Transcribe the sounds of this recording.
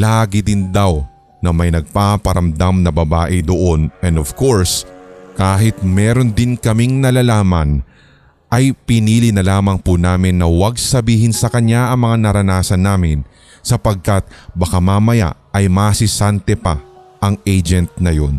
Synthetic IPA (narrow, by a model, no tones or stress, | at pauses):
laːɡɪd̪ɪnd̪aw | nɐmɐjnɐɡ̚papɐɾɐmd̪amnɐbɐbaːʔɪd̪oʔonʔɛnd̪ofko̞ɹskaːɦɪt̪̚mɛːɾo̞nd̪ɪnkɐmɪŋnɐlalaːmɐn | ʔɐjpɪniːlɪnɐlaːmɐŋpunaːmɪnːɐwɐɡ̚sɐbiːɦɪnsɐkɐɲaʔɐŋmɐŋanɐɾɐnaːsɐnːaːmɪn | sɐpɐɡ̚kat̪̚bɐkamaːmɐja̰ʔʔɐjmasɪsant̪ɛpɐʔɐŋʔejd͡ʒɛnt̪̚nɐjo̞n